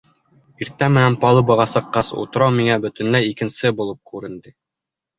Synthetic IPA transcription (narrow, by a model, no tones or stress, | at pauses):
iɾt̪ːæmɘ̆nænpɑlˠɤbɑ̆ʁɑsɤ̆qːɑsṵt̪ɤ̆ɾɑwmiŋæbɵ̆t̪ɘ̆nlæjikɘ̆nsɘbulˠɤp̚kʉɾɘ̆nd̪ɘ